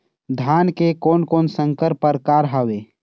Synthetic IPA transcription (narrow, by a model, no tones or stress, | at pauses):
d̪ʱaːnkekoːnkoːnsə̃ŋkəɾpəɾkaːɾɦaːʋeː